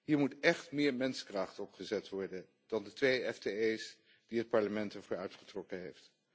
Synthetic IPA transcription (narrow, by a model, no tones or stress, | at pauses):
ɦiːɹmutɛχtmɪːɹmɛnskraχtɔpχəzɛtʋɔɹdən | d̥ɑndətʋejɛfteejs | d̥iət̚pɑɹləmɛntɛɹvʊːɹœɥtχə̥trɔkənɦejft